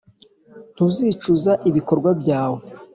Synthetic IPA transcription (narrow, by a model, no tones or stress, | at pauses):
n̥uziːt͡ʃuzaʔiβiko̞ɾɡwabɟaːwo